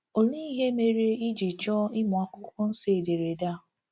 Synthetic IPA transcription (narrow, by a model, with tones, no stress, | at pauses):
o˨li˦i˦ɦe˦me˨ɾe˦i˦d͡ʒi˨t͡ʃɔ˦ɪ˦mʊ˨a˦kʷʊ˦kʷʊ˦n̩˦se˨e˨de˨ɾe˨da˦˨